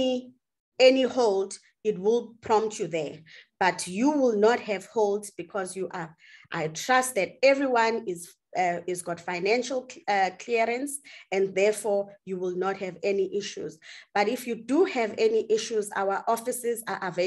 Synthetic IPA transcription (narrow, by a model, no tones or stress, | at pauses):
i | ɛnihold | it̚wilˠpʰɹɔ̃mptʰjuðɛb̥atʰjuwilˠnɔthɛvholdzbikʰɔzjuʔa | ʔa̰jtʰɹ̥ast̚ðɛt̚ɛvɹiwãniz | izɡɔtfajnɛ̃nʃalˠkʰliɹɛ̃nsɛ̃nðɛfɔjuwilˠnɔt̚hɛvɛniʔiʃṵzb̥atifjuduhɛvɛniʔiʃuza̰waʔɔfisɛzaʔave